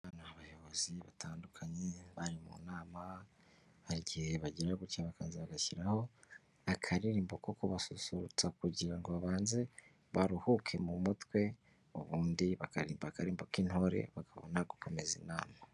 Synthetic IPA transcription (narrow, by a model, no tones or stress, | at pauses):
aβaːnahaβajoβoziβataːndukʰaɲeβaɾimṵnaːma | βaɾiɟiheβaɟiɾaɡucaβakaːnzeβaɡaçiɾaho̞ | akʰaɾiɾiːmbokokuβasusuɾut͡sakuɟiɾaŋɡo̞βaβaːnze̞ | βaɾuhukʰe̞mumutwe̞ | uβuːndiβakaɾiːmbakaɾiːmbokinho̞ɾḛβakʰaβo̰naɡukʰo̞me̞zḭna̰ːma